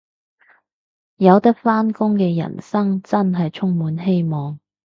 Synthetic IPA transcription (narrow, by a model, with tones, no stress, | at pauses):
jɐ˨˧wt̪ɐ˥k̚faː˥nkʊ˥ŋkɛː˧jɐ̰˨˩nsɐ˥ŋt͡sɐ˥nɦɐ˨jt͡ʃʰʊ˥ŋmuː˨˥nɦe˥jmɔː˨ŋ